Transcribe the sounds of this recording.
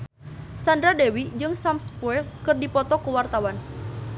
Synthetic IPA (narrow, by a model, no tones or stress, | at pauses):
sandɾadewid͡ʒɨŋsamspuɛlkɨrdipɔt̪ɔkuwart̪awan